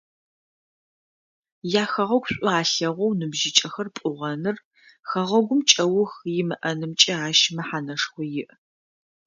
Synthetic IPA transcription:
jaːxɐʁɐɡʷɕʷʼʊaːɬɐʁʷɔwnɨbʒɪt͡ʃʼɐxɐrpʷʼʊʁɐnɨr | xɐʁɐɡʷʊmt͡ʃʼɐwʊxjɪmɨʔɐnɨmt͡ʃʼɐaːʃɪmɐħaːnɐʂxʷɔjɪʔ

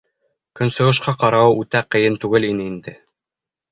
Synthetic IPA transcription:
kɵ̆nsɤ̆ɤ̆ʃ̬qɑqɑɾɑwɤʉt̪æqɤ̆jɘnt̪ʉɡɘlinɘind̪ɘ

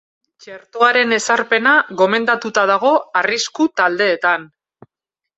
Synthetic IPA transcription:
t͡ʃe̞ɾt̪o̞aɾe̞ne̞saɾpe̞naɣo̞me̞nd̪at̪ut̪að̞aɣ̞o̞ariskut̪ald̪e̞ːt̪an

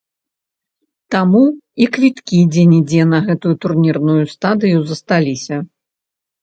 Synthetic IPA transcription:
t̪amuikvʲit̪kʲid͡zʲɛnʲid͡zʲɛnɐɣɛt̪ujut̪urnʲirnujust̪ad̪ɨjuzɐst̪alʲisʲɐ

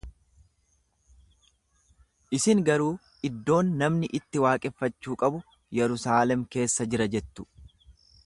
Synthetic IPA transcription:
ʔɪsɪŋɡɐɾuː | ʔɪd̪ːo̞ːnːɐmnɪʔɪt̪ːɪwaːkʼɛfːɐt͡ʃːuːkʼɐbʊ | jɛɾʊsaːlɛmke̞ːsːɐd͡ʒɪɾɐd͡ʒɛt̪ːʊ̥

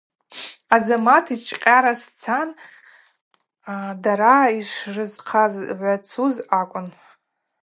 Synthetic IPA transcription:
azamatʰit͡ʃʼqʲʼaɾast͡sʰan | daɾaiʂrɨzqʰazʕʷat͡sʰuzakʷʼʊn

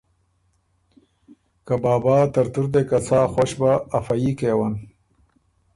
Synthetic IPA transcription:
kabaːbaːt̪ɐɾt̪uɾd̪ekat͡saːxwaʃbaːfajikeːwan

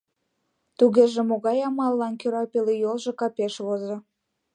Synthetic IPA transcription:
t̪uɣeʒĕmoɣɑjɑmɑlˠːɑnkøɾɑpelijolʒĕkɑpeʃβozo

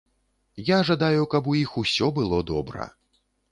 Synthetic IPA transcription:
jaʐad̪ajukɐpujixusʲɔbɨlˠɔd̪ɔbɾɐ̰

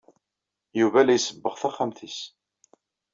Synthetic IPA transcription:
juvælæjsəbːəʁθæχamθis

